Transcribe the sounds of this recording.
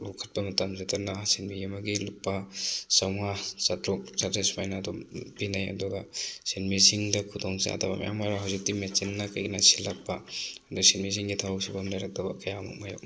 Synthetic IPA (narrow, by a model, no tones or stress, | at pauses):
lɔkʰːɐt̚pɐmɐtamzetanasinbijemɐɡiluk̚pɐsɐŋasatɾɔk̚satɾesmajnaːdɔpinajɐ̰duɡasinmisiŋdɐkʰudɔŋsa̰tʰaba̰ma̰ja̰maɾaɦawzik̚timet͡ʃinːɐkajɡinasilak̚paɐdusinmis̬ʰiŋɡitʰawsibamlajɾak̚tɐbɐkɐjama̰k̚majo̰k